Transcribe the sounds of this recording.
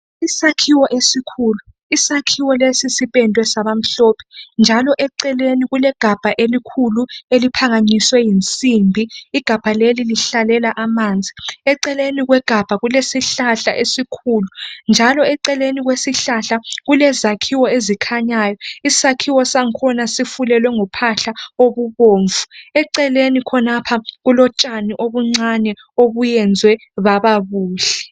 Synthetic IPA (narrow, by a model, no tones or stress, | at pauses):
isakʰiwɔʔesikʰuːlu | isakʰiwɔlesisipʼɛntʼwɛsaβam̩ɬɔːpʰɛ̥nd͡ʒʱalɔʔɛǀɛleniɣulɛɡ̥ʱab̥ʱaʔelikʰuluelipʰaŋaɲiswɛjint͡sʼimbʱiːɡ̥ʱab̥ʱaleliliɬalɛlaʔamand͡zʱiɛǀɛleniɣwɛɡ̥ʱab̥ʱaɣulesiɬaɬaʔesikʰuːlund͡ʒʱalɔɛǀɛleniɣwesiɬaɬaɣulɛzakʰiwɔezikʰaɲaːjɔisakʰiwɔsaŋkʰɔnasifulɛlwɛŋɔpʰaɬaoβuβoːɱvʱuɛǀɛlenikʰɔnapʰaɣulɔt͡ʃʼaniʔoβuŋ͡ǀanɛ | oβujɛnd͡zʱwɛ | βaβaβuːɬɛ